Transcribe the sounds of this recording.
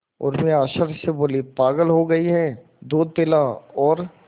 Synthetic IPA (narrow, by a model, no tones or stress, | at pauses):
ɔ̰ːɾmẽaːʃəɾseboːlipaːɡəlɦoɡɐiɦɛ̃ | d̪oːd̪̚pɪlaɔːɾ